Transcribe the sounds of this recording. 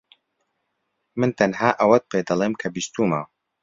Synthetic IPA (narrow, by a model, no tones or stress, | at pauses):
mɨnt̪ʰɐnɦaːʔɐwɐt̪̚pʰeːd̪ɐlˠeːmkʰɐbist̪uːmɐ̰w